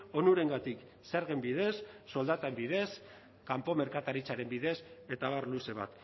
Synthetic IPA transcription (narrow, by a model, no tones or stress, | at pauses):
o̞nuɾe̞ŋɡat̪ik | seaɾɣembiðe̞sːo̞ld̪at̪ambiðe̞s | kampo̞me̞ɾkat̪aɾit͡saɾe̞mbiðe̞se̞t̪aβarluse̞βa̰t̪